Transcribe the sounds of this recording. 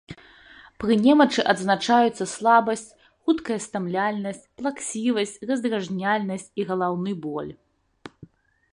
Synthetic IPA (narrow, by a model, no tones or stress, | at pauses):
pɾɨnʲɛmɐt͡ʂɨʔɐd̪znat͡ʂajut̪sːɐslˠabɐsʲt͡sʲ | xut̪kɐjɐst̪amlʲalʲnɐsʲt͡sʲplˠaksʲivɐsʲt͡sʲrɐzd̪ɾaʐnʲalʲnɐsʲt͡sʲiɣɐlˠawnɨbɔlʲ